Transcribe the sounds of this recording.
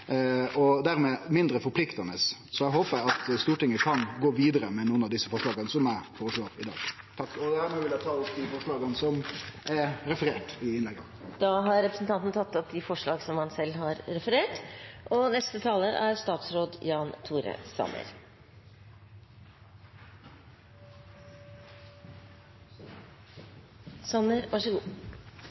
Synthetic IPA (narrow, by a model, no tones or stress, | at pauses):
ɔd̪æɾmɛmɪnd̪ɾəfɔɾpʰlɪkt̪ɑnəssɔɛɦoːpɾæɑt̪st̪uːʈɪŋəkʰɑnɡoːʋiːd̪əɾəmɛnuːənɑʋd̪ɪsːəfɔʂɭɑːɡənsɔmæfɔɾəʂɭoːɪd̪ɑ̰ːɡ̥ | t̪ʰɑkːɔd̪æːɾmɛʋɪlæt̪ʰɑːɔpd̪ɪfɔʂɭɑːɡənsɔmʔɛɾɾɛfəɾeːʈɪɪnlɛɡːə | d̪̥ɑɦɑɾɾɛpɾəsn̩t̪ʰɑnt̪n̩t̪ʰɑt̪ːɔp̚d̪ɪfɔʂɭɑːɡsɔmhɑnsɛlːɦɑɾɾɛfəɾeːʈʔɔnɛst̪ət̪ʰɑːləʔæɾst̪ɑːt̪sɾoːd̪jɑːnt̪ʰuːɾə̰sɑ̰mə̰ɾ | sɑnəɾʋɑʂəɡuː